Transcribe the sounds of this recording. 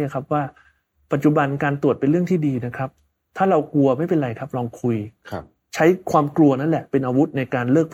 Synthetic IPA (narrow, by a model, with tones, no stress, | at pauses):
a˨˩kʰa˦˥p̚waː˥˩ | pa˨˩t̪̚t͡ɕu˨˩ba˧nkaː˧nt̪u˨˩ət̪̚pe˧nɾɯ˥˩əŋt̪ʰiː˥˩diː˧na˦˥kʰa˦˥p̚ | t̪ʰaː˥˩ɾa˧wklu˧ɐma˥˩jpe˧nɾa˧jkʰa˦˥p̚lɔː˧ŋkʰu˧j | t͡ɕʰa˦˥jkʰwaː˧mklu˧ɐna˦˥nlɛ˨˩pe˧nʔaː˧wu˦˥t̪̚na˧jkaː˧nlɤː˥˩k̚pʰ